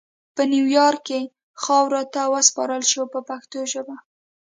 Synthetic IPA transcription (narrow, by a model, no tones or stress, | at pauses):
pənjuwjɑɾkːe | xɑwɾɑt̪awəspɑɾəlʃopəpaxt̪oʒəba